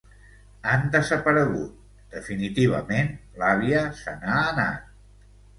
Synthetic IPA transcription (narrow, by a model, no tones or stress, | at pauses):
and̪əzəpəɾəɣut̪̚ | d̪̥əfinit̪iβ̞ə̰menlaβ̞iəsənaːna̰